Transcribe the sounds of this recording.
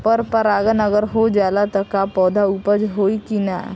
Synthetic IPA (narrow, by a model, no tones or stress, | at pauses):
pəɾpəɾaːɡənɐɡəɾɦod͡ʒaːlat̪ɔkapɔːd̪ʱauːpəd͡ʒɦoːikina̰